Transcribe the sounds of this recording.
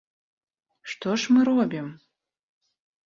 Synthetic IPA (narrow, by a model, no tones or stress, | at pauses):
ʂt̪ɔʂmɨɾɔbʲim